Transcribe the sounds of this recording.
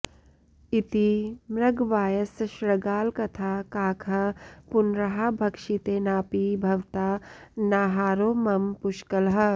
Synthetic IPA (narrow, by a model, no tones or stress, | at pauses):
it̪imɾɐɡʋaːjəsʃɾɐɡaːlkɐt̪ʰaːkaːkʰɐpʊnɾɐɦabʱɐkʃit̪eːnaːpibʱɐʋt̪aːnaːɦaːɾoːmɐmpʊʃkəlɦɐ